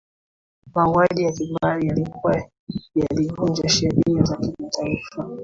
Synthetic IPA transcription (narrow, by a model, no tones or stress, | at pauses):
mawwaɗijakimaɾijalikuwa | jalivund͡ʒaʃɛɾinizakimatʰaifa